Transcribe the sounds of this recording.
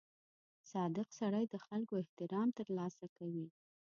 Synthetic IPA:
sɑd̪ɪqsaɽajd̪əxalkoɪht̪ɪɾɑmt̪əɾlɑsakawi

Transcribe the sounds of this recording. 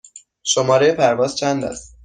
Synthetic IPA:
ʃomɒːɾejepʰæɾvɒːz̥t͡ʃʰænd̪æ̰st̪

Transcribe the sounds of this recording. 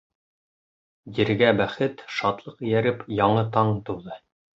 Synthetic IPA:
jĭɾɡæbæχɘt̪ʃɑt̪lˠɤqjæɾɘpjɑɴɤt̪ɑɴt̪uwðɤ

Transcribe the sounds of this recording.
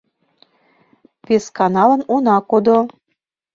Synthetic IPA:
peskɑnɑlə̆nunɑkod̪o

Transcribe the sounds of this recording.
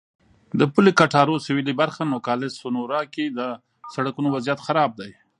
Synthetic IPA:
d̪əpulekaʈɑɾosɪwilibaɾxanokɑlɪsʊnoɾɑked̪ə | saɽakunowazjat̪xaɾɑb̚d̪aj

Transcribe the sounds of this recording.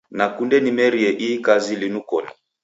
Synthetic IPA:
nakundɛnimɛɾiɛʔikazilinukɔnɛ

